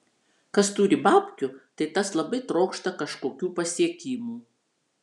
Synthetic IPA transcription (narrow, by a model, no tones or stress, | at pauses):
kɐst̪uːɾʲɪbɑːpʲkʲʊt̪ɐɪt̪ɐslˠɐbɐɪt̪ɾoːkʃt̪ɐkɐʃkoːkʲuːpɐsʲiɛkʲiːmuː